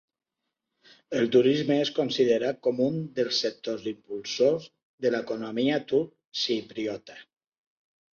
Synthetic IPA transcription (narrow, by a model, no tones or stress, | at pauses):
əlˠt̪uɾizməeskonsiðeɾakɔmund̪əlˠsːək̚t̪ozimpulˠsoz | ðələkonomiat̪u | sipɾiɔt̪ḁ